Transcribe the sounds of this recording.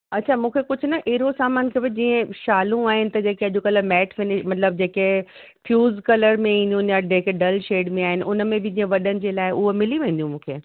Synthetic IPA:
ɐtːt͡ɕʰaːmũːkʰekʊd͡ʑʱʊnɐʔeɦɪɾosaːmaːnkʰeːbɪd͡ʑĩːə̃ʃaːlũaːɦɪnɪ̆t̪ɐd͡ʑeːkeɐʄokɐləmɛːʈʰfɪnɪʃmɐt̪ləb̚d͡ʑeːke | fʰjuːzkɐləɾmẽĩːnd̪iũnjaɖekeɖɐlʃeːɖmẽaːɦɪnɪ̆ʔʊnmẽbɪd͡ʑĩːə̃ʋɐɗənɪ̆d͡ʑeːlaːɪʔʊɦomɪliʋẽnd̪ijũmũːkʰeː

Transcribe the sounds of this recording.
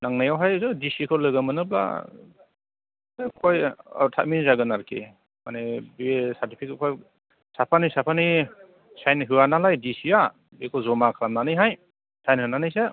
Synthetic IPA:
naŋnajawɦajzɯdisikʰɔlɯɡɯmɯnɯbla̰ | zɯkʰoj̰tʰa̰t̚minzaɡɯnaɾkʰḭ | manebesatʰipʰikkʰɔj | sapʰanisapʰani | sajnɦɯwanalajdisia | bekʰɔzɔmakʰlamnanɯjɦaj | sajnhɯnanɯjse

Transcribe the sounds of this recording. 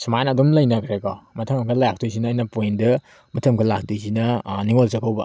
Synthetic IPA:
sumajnɐdɔmlɐjnɐkʰɾekɔmɐtʰɐmɐkʰɐlak̚tʰujs̬inɐːjnɐpojndɐ | mɐtʰɐmkʰɐlak̚tujsinɐniŋolsɐkʰawbɐ̰

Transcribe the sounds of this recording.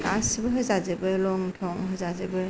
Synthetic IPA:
kasibɯɦɯzazɯbɯlɔŋtʰɔŋɦɯzazebɯ

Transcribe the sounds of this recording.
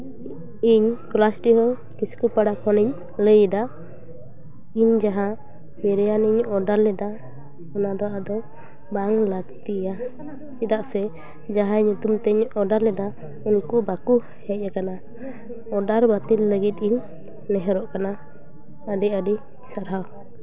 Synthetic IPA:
iɲklasʈiɦɔ | kiskupaɽakʰɔniɲ | ləjd̪a | iɲd͡ʒaɦã | mɛɾɛjaniɲɔɖaɾlɛd̪a | ɔnad̪ɔʔad̪ɔ | baŋlaɡt̪ija | t͡ʃid̪aʔsɛ | d͡ʒaɦãɲut̪umt̪ɛɲɔɖaɾlɛd̪a | unkubaku | hɛc̚ˀakana | ɔɖaɾbat̪ilːəɡit̪̚iɲ | nɛɦɛɾɔʔkana | əɖiəɖi | saɾɦaw

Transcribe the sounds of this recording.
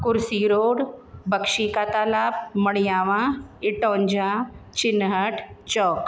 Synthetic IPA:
kʊɾsiːɾoːɽbəkʃikaːt̪aːlaːp̚məɽijaːʋãɪʈõːɲd͡ʒãːt͡ʃɪnːɦəʈʰt͡ʃɔːk

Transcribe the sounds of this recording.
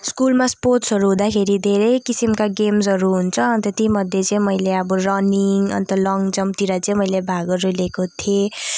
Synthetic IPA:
skulmasporsɦʌɾuɦũd̪akʰeɾid̪ʱeɾʌjkisimkaɡemsɦʌɾuɦunt͡sʰʌʌnt̪ʌt̪imʌd̪ʱjet͡sʌĩmʌjleʌbʌrʌniŋʌ̰nt̪ʌlʌŋd͡zʌmt̪iɾat͡sʌĩmʌjlebʱaɡʌɾulekot̪ʰie

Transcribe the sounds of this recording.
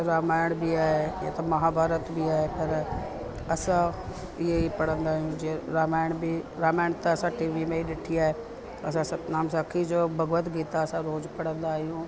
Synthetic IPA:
ɾaːmaːɪɽ̃biaːɦeja̰t̪ɐmɐɦaːbʱaːɾət̪bʱiaːɦepɐɾ | ɐsã | ɪɦeipɐɽ̤ə̃nd̪aːɦijũd͡ʒiɾaːmaːɪɽ̃biɾaːmaːɪɽ̃t̪ɐɐsãʈiːʋimẽiɗɪʈʰiaːɦe | ɐs̬ãsɐnaːmsãkʰid͡ʒoːbʱɐɡʋət̪ɡiːt̪aːsãɾoːzpɐɽ̤ə̃nd̪aːɦijũ

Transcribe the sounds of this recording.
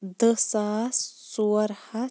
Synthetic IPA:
d̪əsaːssuɐɾha

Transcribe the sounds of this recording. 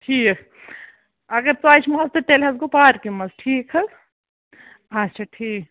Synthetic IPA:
ʈʰiːk | ɐɡəɾt̪oaːt͡ʃʰmazt̪oʈeːlɦɐzɡopaːɾkimɐzʈʰiːkɦ | ɐt͡ʃʰaʈʰiːk

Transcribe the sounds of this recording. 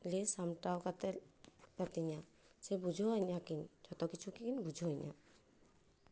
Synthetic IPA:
lesamʈawkat̪ɛkat̪iɲa | sebud͡ʒʱɔɦɔjɲakind͡ʒʰʱɔt̪ɔkit͡ʃʰukikinbud͡ʒʱɔɦɔjɲa̰

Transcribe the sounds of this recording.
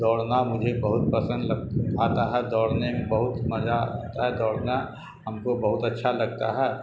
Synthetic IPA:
d̪ɔːɽnamʊd͡ʒʱebɐɦʊt̪̚pəsə̃nd̪ləaːt̪aɦɛd̪ɔːɽnemẽbəɦʊt̪mɐd͡ʒa̰t̪aɦɛd̪ɔːɽna | ɦɐmkobəɦʊt̪ɐtːʃʰalɐɡ̚t̪aɦɛː

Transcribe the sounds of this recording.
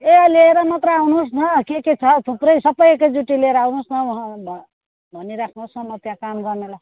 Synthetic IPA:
eʌleeɾʌmʌt̪rʌawnusnʌkeket͡sʰʌt̪ʰuprʌjsʌpʌjkad͡zuʈileɾʌawnusnʌwɦãbʱ | bʱʌniɾakʰnusʌmʌt̪jãkamɡʌrnela

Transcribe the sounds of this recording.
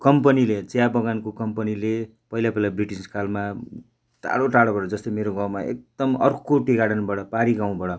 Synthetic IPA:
kʌmpʌnilet͡sjabʌɡankokʌmpʌnile | pʌɦilapʌilabriʈiskalma | ta̰ɽoʈaɽobʌɽʌd͡zʌst̪emeɾoɡãwmaḛk̚d̪ʌmʌrkoʈiɡaɽʌnbaɽʌpaɾiɡãw̃bʌɽʌ

